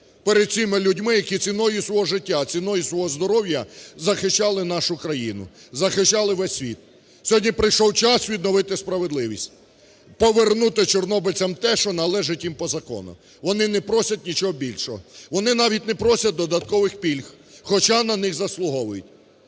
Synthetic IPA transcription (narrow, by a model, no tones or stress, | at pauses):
peɾed̪̚t͡sʲimɪlʲʊdʲmɪjɐkit͡sʲinɔjʊswɔɦɔʒɪtʲːat͡sʲinɔjʊsʋɔɦɔzd̪ɔɾɔwjɐzɐxɪʃt͡ʃɑlˠɪnɑʃʊkɾɐjinʊ̰zɐxɪʃt͡ʃɑlˠɪʋɛsʲːʋʲit̪̚ | sʲɔɦɔdʲnʲipɾɪjʃɔwt͡ʃɑsʋʲid̪nɔʋɪt̪ɪspɾɐʋed̪lˠɪʋʲisʲtʲ | pɔʋernut̪ɪt͡ʃɔrnɔbɪt͡sʲɐmt̪ɛʃɔnɐlˠɛʒɪtʲjimpɔzɐkɔ̰nʊ̰ | ʋɔnɪnɛpɾɔsʲɐtʲnʲit͡ʃɔɦɔbʲilʲʃɔɦɔʋɔnɪnɑʋʲitʲnɛpɾɔsʲɐt̚ʲd̪ɔd̪ɐt̪̚kɔʋɪxpʲilʲxxɔt͡ʃanɐnɪxzɐslˠʊɦɔʋʊjʊtʲ